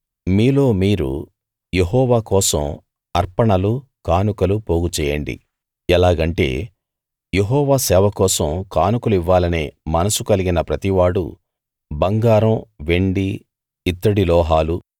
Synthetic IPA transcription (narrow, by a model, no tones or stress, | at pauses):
miːlo̞ːmiːɾṵ | jeɦɔːʋaːkɔːsɐm | ɐɾpɐɳɐlukaːnukɐlupo̞ːɡut͡ʃɛːjɐ̰ɳɖḭ | ɛlaːɡɐɳʈe̞̰ː | jeɦɔːʋaːsɛːʋɐkɔːsɐmkaːnukɐliʋːaːlɐneːmɐnɐsukɐliɡinɐpɾɐt̪iʋaːɽṵ | bɐŋɡaːɾɐmʋeɳɖiː | t̪ːɐɽilɔːɦaːlu